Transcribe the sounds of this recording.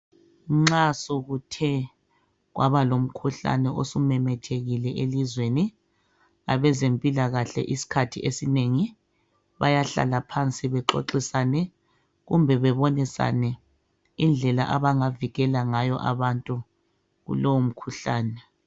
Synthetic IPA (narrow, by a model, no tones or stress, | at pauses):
ŋ͡ǁasoɣutʰɛ | ɣwa̰βalom̩kʰuɬa̰nɛʔosumɛmɛtʰeɣilɛʔelizweni | a̰βɛzempʼilaɣaɬɛ̰ʔisi̥kʰatʰiesineŋi | βajaɬa̰lapʰant͡sʼiβɛǁo̰ǁisanɛ | ɣumbʱɛβɛβonisa̰nɛ | ind͡ɮʱɛlaʔaβaŋaviɣɛlaŋajɔ̰ʔa̰βantʼu | ɣṵlowom̩kʰuɬaːnɛ